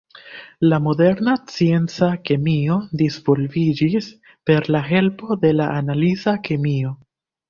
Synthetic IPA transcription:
lamo̞de̞ɾnat͡sie̞nt͡sakemio̞dizvo̞lvid͡ʒis | pe̞ɾlaɦe̞lpo̞de̞laʔanalizakemio̞

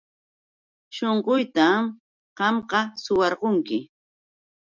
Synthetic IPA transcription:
ʃoɴqojt̪am | ɢɑmqɑsʊwɑɾqoŋkɪ

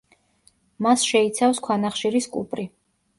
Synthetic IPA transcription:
masʃɛit̪sʰafskʰwanaχʃiɾiskʼṵpʼɾi

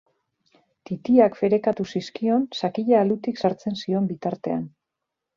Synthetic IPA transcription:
t̪it̪iakfe̞ɾe̞kat̪usiskio̞nsakiʎaːld̪ut̪iksaɾt͡se̞nsio̞mbit̪aɾt̪e̞a̰n

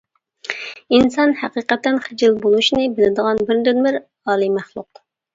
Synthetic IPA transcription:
insɑnhæqiːqɛt̪ːɛnχɪd͡ʒɪlˠbolˠuʃnɨbɪlɪd̪əʁɑnbɪɾd̪ynmɪɾ | ɑːlˠimæχlˠṵq

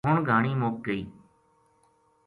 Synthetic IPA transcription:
ʊɳɡʱaːɳiːmoːk̚ɡəiː

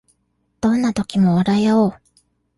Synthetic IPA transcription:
d̪̥õ̞nːat̪o̞kʲimo̞aɾajoː

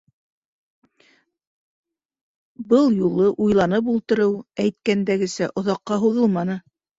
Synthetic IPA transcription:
bɤlˠjulˠɤʔujlˠɑnɤp̬ulˠt̪ɤ̆ɾɤwæjt̪̚kænd̪æɡɘ̆sæʔŏðɑqːɑɦuðɤlˠmɑnɤ

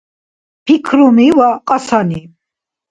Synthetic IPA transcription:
pʰikʰɾumiwaqʼasani

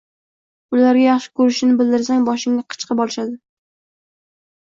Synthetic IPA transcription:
ʊlaɾɡʲajɑχʃɪ̥kʰɵɾɪʃɪnɪbɪld̪ɪɾsaŋbɒʃɪŋaqʰɨ̥t͡ʃqʰɨbɒlˠɪʃad̪ɪ

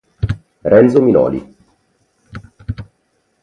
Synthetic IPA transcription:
ɾɛnt̪sominɔ̰ːlḭ

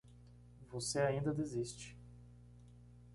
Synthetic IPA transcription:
voseaĩnd̪ɐd̪ezist͡ʃɪ̥

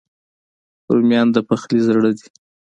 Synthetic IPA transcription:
ɾumjɑnd̪əpaxlizɽəd̪i̥

